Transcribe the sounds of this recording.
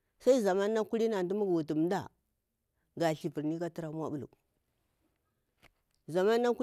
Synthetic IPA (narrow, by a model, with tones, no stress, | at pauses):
sa˦i˦za˨ma˦nːa˦ku˦ɾi˦na˨du˦mu˦ɡwu˨tu˨m˨da̰˦˨ | ɡa˨ɬi˨pi˨ɾni˦ka˦ti˦ɾa˦mʷ˦a˦ɓu˦˨lṵ˨ | za˨ma˦nːa˦ku˦